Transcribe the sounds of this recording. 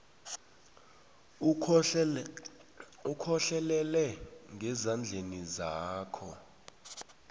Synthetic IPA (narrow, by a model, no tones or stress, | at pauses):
ukʰɔɬɛlɛlɛŋɡʱɛzand͡ɮʱenizaːkʰɔ